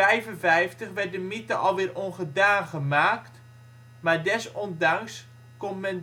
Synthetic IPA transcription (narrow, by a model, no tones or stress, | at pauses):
ɛjvənvɛjftəχʋɛrt̚dəmitəʔɔlˠʋɪːrʔonχədaːχəmaːkt | maːɹdɛsɔndaŋs | konmɛn